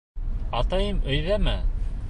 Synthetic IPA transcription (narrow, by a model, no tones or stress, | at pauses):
ɑt̪ɑjɤmɵ̆jðæmæ